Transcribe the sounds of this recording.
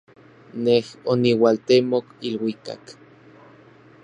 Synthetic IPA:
nehoniwalt̪emokilwika̰k

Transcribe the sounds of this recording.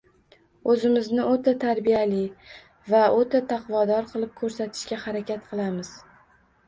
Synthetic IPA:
ɵzɪmɪznɪʔot̪ʰat̪ʰaɾbijalɪ | vaot̪ʰat̪ʰɑqvɒd̪ɒɾqʰɨlˠɪp̚kʰɵɾsat̪ʰɪ̥ʃkʲahaɾakʲat̪̚qʰɨlˠamɪz̥

